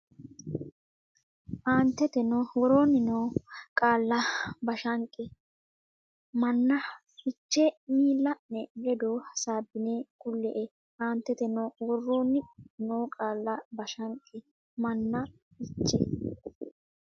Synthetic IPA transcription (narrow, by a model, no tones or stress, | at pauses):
ʔaːnt̪ːɛt̪ɛnowɔɾoːnːɪnoːkʼaːlːɐbɐʃɐŋkʼːɪ | mɐnːɐ | ɪt͡ʃːɛmiːlːɐnːɛɡɛd̪oːsaːbːɪneːkʼʊlːɛʔɛ | ʔaːnt̪ːɛt̪ɛnowɔrːoːnːɪnoːkʼaːlːɐbɐʃɐŋkʼːɪ | mɐnːɐ | ɪt͡ʃːɛ̰